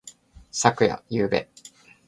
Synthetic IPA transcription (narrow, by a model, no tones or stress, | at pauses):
sakɯ̟ja̰jɯːbḛ